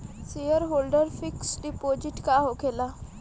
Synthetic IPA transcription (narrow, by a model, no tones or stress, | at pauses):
sejəɾɦoːlɖəɾfʰɪksɖipoːd͡ʒɪʈkaɦokʰela